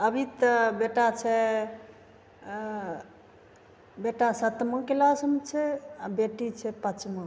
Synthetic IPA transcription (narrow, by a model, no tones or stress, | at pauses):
əbʱit̪əbeʈat͡ʃʰɛ | beʈasət̪mokelasəmt͡ʃʰɛabeʈit͡ʃʰɛpət͡ʃmõ